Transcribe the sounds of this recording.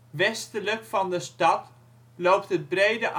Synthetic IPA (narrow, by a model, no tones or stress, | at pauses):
ʋɛstələkfɑndəstɑt | lowptət̚brejdəʔ